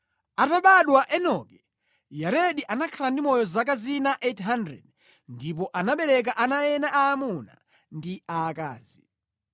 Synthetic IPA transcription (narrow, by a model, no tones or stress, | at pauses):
ataɓaɗwaʔɛnɔkɛ | jaɾeɗiʔanakʰalandimɔjɔzak̬azinaʔetɦandɾɛ̰d | ndip̬ɔʔanaɓɛɾɛk̬aʔanajɛnaʔaːmuna̰ | ndiaːka̰ːzi